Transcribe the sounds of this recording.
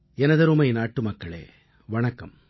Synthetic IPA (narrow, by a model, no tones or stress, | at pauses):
ɛnɐðɐɾumɐɪnaːʈːɯmɐkːɐɭḛː | ʋɐɳɐkːɐm